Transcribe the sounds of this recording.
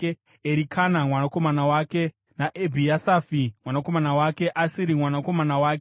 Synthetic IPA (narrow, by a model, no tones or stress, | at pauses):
e | eɾikʰanamwanako̞manawaːke̞ | naʔebʱijasaːfimwanako̞manawake̞ʔasiɾimwanako̞manawaːk̬e